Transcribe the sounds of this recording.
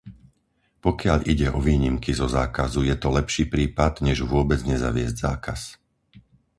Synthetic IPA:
pɔkɪaʎʔiɟɛʔɔʋiːɲimkizɔza̰ːkazujɛt̪ɔlɛpʃiːpɾiːpad̪ɲɛʒʋʊɔbɛd͡zɲɛza̰ʋɪɛzɟza̰ːkas

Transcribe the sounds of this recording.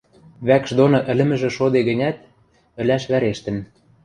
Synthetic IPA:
βækʃd̪onoʔɘ̆lɘ̆mɘ̆ʒĕʃod̪eɣə̆nʲæt̪̚ | ɘ̆læʃβæɾeʃt̪ə̆n

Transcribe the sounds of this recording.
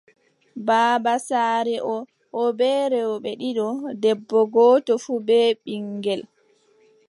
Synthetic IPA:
baːbasaːɾɛʔɔ | ʔɔbɛːɾɛwɓɛɗiɗɔdɛbːɔɡɔːtɔfuːbɛːɓiŋɡɛl

